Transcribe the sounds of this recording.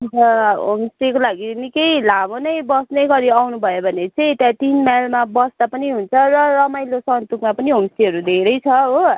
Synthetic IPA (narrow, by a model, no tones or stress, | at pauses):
utʌɦomstikolaɡinikʌjlamonʌjbʌsnʌjɡʌɾiawnubʱʌjobʱʌnet͡sʰʌĩet̪at̪inmajlmabʌsd̪apʌniɦunt͡sʰʌrʌrʌmajlosʌnt̪ukmapʌniɦomst̪iɦʌɾud̪ʱeɾʌjt͡sʰʌɦo